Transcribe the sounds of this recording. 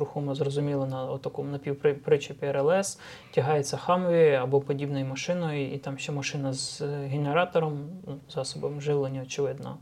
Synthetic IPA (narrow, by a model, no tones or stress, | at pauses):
ɾʊxumɐzrɔzʊmʲilˠɐnɐɔt̪ːɐkɔmʊnɐpʲiwpɾɪpɾɪt͡ʃɪpʲiɛɾɛlˠɛs | tʲɐɦɑjet͡sʲːɐxɑmɔʋʲiɐbɔpɔdʲibnɔjʊmɐʃɪnɔjʊit̪ɑmʃt͡ʃɛmɐʃɪnɐzɦeneɾɑt̪ɔɾɔmnuzɑsɔbɔmʒɪwlˠɔnʲiɔt͡ʃɪʋɪd̪nɔ̰